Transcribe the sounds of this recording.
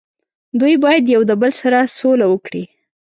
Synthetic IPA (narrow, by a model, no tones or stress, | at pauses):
d̪ujbɑjad̪jawd̪əbəlsaɾasolawəkɽi